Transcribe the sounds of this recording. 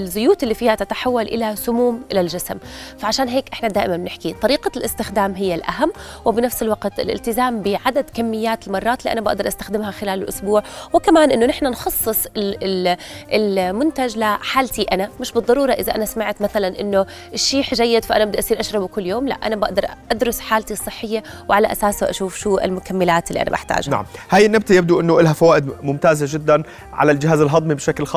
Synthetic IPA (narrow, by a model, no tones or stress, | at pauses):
lzʊjuːt̪ɪlːiːfiːhat̪ɪt̪aħawːalʔɪ̰lasʊmuːmʔɪlalʒasmfaʕaʃaːnɦeːkʔɪħnad̪aːʔɪmanbnɪħkit̪ˤɑɾiːqalʔɪst̪ɪxd̪aːmɦɪjːalʔa̰ɦamː | wɪbnafsɪlwaqt̪ɪ̰lʔɪ̰lt̪ɪzaːmbɪʕad̪ad̪kamːɪjːaːt̪ɪlmɑrˤːɑːt̪liːʔanaba̰ʔd̪ɑɾˤʔast̪ḁxd̪ɪmhaxɪlaːlɪlʔʊ̰sbuːʕwɪkamaːnʔɪnːʊnɪħnanxɑsˤːɨsˤɪ | ɪlmʊnt̪aʒlɪħaːlt̪iʔanamɪʃbɨd̪ˤːɑɾˤuːɾˤɑʔɪðaʔanasmaʕt̪maθalanʔɪnːo | ʔɪʃːiːħʒajːɪd̪faʔanabɪd̪aʔasˤiːɾʔaʃɾˤɑbukʊlːjoːmla̰ʔʔa̰nabaʔd̪ɑɾˤʔad̪ɾʊsħaːlt̪isˤːɨħːɪjːawʕalaʔasaːsaʔa̰ʃuːfʃuːʔɪ̰lmʊkamːɪlaːt̪ɪlːiʔa̰na̰ba̰ħt̪a̰ːʒana̰ʕmhaːjɪnːab̚t̪ajab̚d̪uʔɪnːʊʔɪlɦafawaːʔɪd̪mʊmt̪aːzad͡ʒɪd̪ːan | ʕa̰lald͡ʒɪɦaːzɪlɦɑd̪ˤmibʃaklxɑː